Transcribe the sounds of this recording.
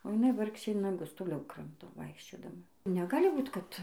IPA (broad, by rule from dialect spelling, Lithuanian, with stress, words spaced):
oː jɪˈnɐɪ ˈʋɐrkʃʲeː nɐˈɡʊs toːˈlʲɛʊ ˈkrɐmtoː ˈʋɐɪkʃʲt͡ʃʲoːdɐmɐ nʲɛˈɡɑːlʲɪ ˈbuːt ˈkɐt